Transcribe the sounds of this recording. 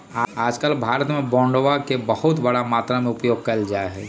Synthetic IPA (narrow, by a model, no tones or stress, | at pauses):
aaːd͡ʒkəlbʱaːɾət̪mẽbɔ̃ːɳɖoʋakebəhʊt̪bəɽamaːt̪ɾamẽʊpjoːɡ̚kɐld͡ʒaːeɦɛː